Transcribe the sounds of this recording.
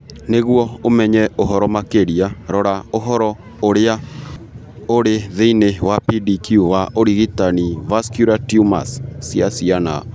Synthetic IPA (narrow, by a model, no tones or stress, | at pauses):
neɣwɔomɛɲɛoɦɔɾɔmakeɾiaɾɔɾaoɦɔɾɔ | oɾea | oɾeðeinewapidikjuwaʔoɾiɣitanivaskjuɾatjuma̰ssjasiana̰